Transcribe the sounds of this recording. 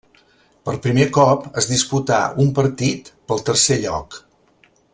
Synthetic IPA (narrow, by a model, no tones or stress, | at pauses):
pəlˠpɾimekɔpəzðisput̪a̰umpəɾt̪it̪pəlˠt̪əɾseʎɔ̰k